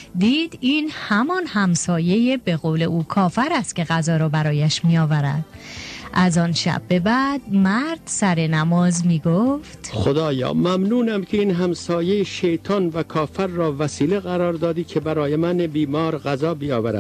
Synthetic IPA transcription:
d̪iːd̪̥iːnhæmɒnhæmsɒːje̞jebe̞ɣoːle̞ʔuːkʰɒːfæɾæst̪̚kʲe̞ɣæzɒːɾɒːbæɾɒːjæʃmiɒːvæɾæ̰d̪̥ʔæzɒːnʃæ̰bːe̞bæd̪̚mæɾd̪̥sæɾe̞næmɒːzmiːɡoft̪xod̪ɒːjɒ̰ːmæmnuːnæmcʰeiːnɦæmsɒːjejeʃejt̪ʰɒːnvækʰɒːfæɾːɒːvæsiːleɣæɾɒːɾd̪ɒːd̪iːkʰebæɾɒːjemænebiːmɒːɾɣæzɒːbijɒːvæɾæ̰d̪̥

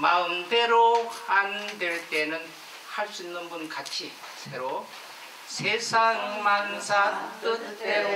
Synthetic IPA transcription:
maɯmde̞ɾoandeɭt͈e̞nɯn | haɭs͈uinːɯnbunkat͡ɕʰi | sʰeɾo | sʰesʰaŋmansʰat͈ɯt͈e

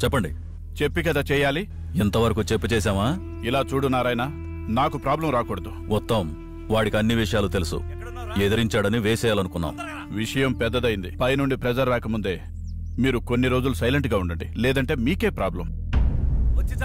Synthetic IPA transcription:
t͡ʃɛpːɐɳɖḭ | t͡ʃe̞pːikɐd̪aːt͡ʃɛːjaːli | int̪ɐʋɐɾɐkut͡ʃepːut͡ʃɛːs̬aːmaː | ilaːt͡ʃuːɽunːaːɾɐjna | naːkupɾaːblɐmɾaːkɔːɽɐd̪u | mɔt̪ːɐm | ʋaːɽikiɐnːiʋiʂɐjaːlut̪e̞lusṵ | ed̪ɐɾiɲt͡ʃaːɽɐniʋɛːsɛːjaːlɐnukunːa̰ːm | ʋiʂɐjɐmpɛd̪ːɐd̪ɐjind̪ipɐjnuɳɖipɾed͡ʒɐɾʋaːkɐmund̪e̞ː | miːɾuko̞nːiɾo̞ːd͡ʒulusɐjleɳʈɡaːuɳɖɐɳɖilɛːd̪ɐɳʈe̞ːmiːke̞ːpɾaːblɐm

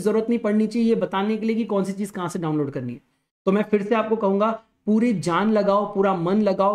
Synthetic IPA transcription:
zɐɾuːɾət̪nɐɦĩpɐɽnit͡ʃaːijebɐt̪aːnekeliek̬ikɔ̃ːnsit͡ʃiːzkɐɦãːseɖaːʊ̃nloːɖkɐɾniɦɛː | t̪omɛ̃ːfɪɾseaːp̚kokɐɦũːŋɡa | puːɾid͡ʒaːnlɐɡaːopuːɾamɐnlɐɡaːo

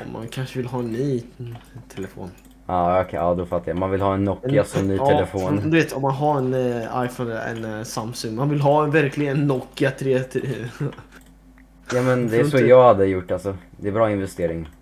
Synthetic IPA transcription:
ɔmːa̰nkʰanʂəvɪlɦɑːɛnːyːt̪ʰɛlɛfo̰ːn | aːɔkʰɛɑːd̪ɔfat̪ːajamanvɪlhɑːɛnːɔkːɪasɔnyːɛɛfoːnd̪ɵveːt̪ɔmːanɦaɛna̰jfɔnlə̰ɛ̰nsamsɵŋːmanvɪlɦɑːvæɾkʰlɪɡənːɔkːɪat̪ʰɾeː | jɑːmɛnd̪ɛɛsɔjɑːɡhad̪ːəjʊʈːalsɔd̪ɛɛbɾɑːɪnvɛst̪eːɾɪŋ

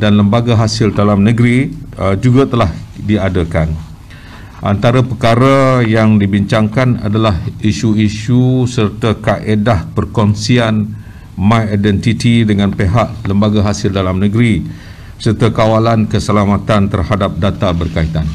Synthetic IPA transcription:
danləmbaɡaɦasɪldalamnəɡɾiəd͡ʒuɡat̪əlahdiadəkan | ʔa̰nt̪aɾapəkaɾajaŋdibiɲt͡ʃaŋkana̰dalahiʃuiʃusərt̪akaʔedahpərkɔnsian | mãjadɛnt̪it̪idəŋãnpeɦaʔləmbaɡaɦasɪldalamnə̃ɡɾi | sərt̪akawalankəsəlamat̪ant̪ərhadap̚dat̪abərkait̪an

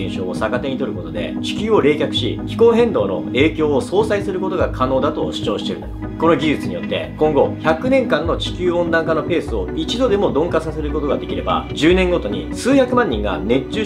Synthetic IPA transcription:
ẽɰ̃ɕo̞ːsakat̪e̞ɲ̟it̪o̞ɾɯ̟ko̞t̪o̞d̪e̞̰t͡ɕi̥kʲɨːo̞ɾe̞ːkʲakɯ̟̥ɕḭkʲi̥ko̞ːɦẽ̞nd̪o̞ːno̞̰e̞ːkʲo̞ːoso̞ːsaisɨɾɯ̟ko̞t̪o̞ɡakʰano̞ːd̪at̪o̞ɕi̥t͡ɕo̞ːɕi̥t̪eɾɯ̰ | kono̞ɡʲiʑɨt͡sɨɲ̟ijo̞t̪ːe̞̰kõ̞ŋɡo̞çakɯ̟nẽŋkãnːo̞t͡ɕi̥kʲɨːõ̞nd̪ãŋkanope̞ːsɨo̞it͡ɕid̪o̞d̪e̞mo̞d̪õ̞ŋkasase̞ɾɯ̟ko̞t̪o̞ɡad̪e̞kʲiɾe̞ba̰d͡ʑɨːnẽ̞ŋɡo̞t̪o̞ɲ̟isɨːçakɯ̟mãɲ̟ːĩŋɡa̰ne̞t͡ɕːɨː

